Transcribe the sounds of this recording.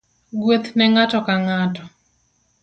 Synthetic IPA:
ɡwot̪nɛŋatɔkaŋatɔ

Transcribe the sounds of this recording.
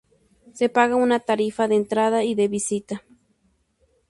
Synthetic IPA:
sepaɣaunat̪aɾifaðeːnt̪ɾaðaid̪eβisit̪a

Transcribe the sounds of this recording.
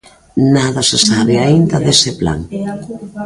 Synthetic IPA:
naðasesaβeaind̪aðesepla̰ŋ

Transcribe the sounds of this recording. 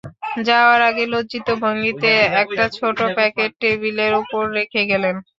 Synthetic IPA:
d͡ʑaoaɾaɡelod͡ʑit̪obʱaŋit̪eɛk̚ʈat͡ɕʰoʈopɛkeʈ̚ːebileɾupoɾɾekʰeɡɛlen

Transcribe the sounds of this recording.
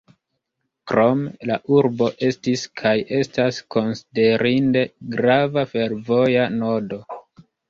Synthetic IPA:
kɾo̞melaʔuɾbo̞ʔe̞stiskʰajʔe̞stasko̞nside̞ɾinde̞ɡɾavafe̞ɾvo̞jano̞do̞

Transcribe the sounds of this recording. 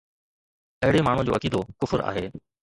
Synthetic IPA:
ɐɦɪɽemaːɳ̤ũd͡ʑo̰ːɐkiːd̪okʊfʊɾa̰ːɦeː

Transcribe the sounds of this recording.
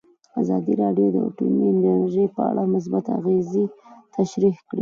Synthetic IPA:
azɑd̪iɾɑɖjod̪ə̰ʈṵmineɾʒəjpəa̰ɽamʊs̬bat̪a̰ɣezit̪ʰaʃɾihkɽḭ

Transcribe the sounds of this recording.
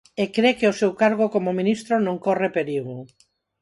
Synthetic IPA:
ekɾekeʊsewkaɾɣ̞okomomĩnist̪ɾonõŋkɔrepeɾiɣʊ

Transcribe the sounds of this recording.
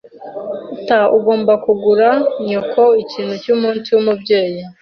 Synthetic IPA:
utauɡo̞ːmbakuɡuɾaɲokʰo̞iciːnhucuːmuːnsiwumubɟe̞ːji

